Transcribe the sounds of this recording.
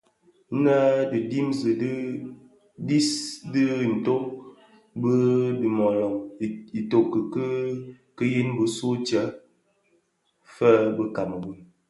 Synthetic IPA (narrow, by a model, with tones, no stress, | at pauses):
nə˦dɨ˨di˦mzə˨də˦ | di˦sdə˦˨n̩˨to˦ | bə˦də˨mɔ˨lɔ˨ŋ˨i˨to˨kə˨kə˦ | kə˦ji˦nbə˦so˦t͡ʃə˨˦ | fə˦bə˦ka˨mə˨wə˨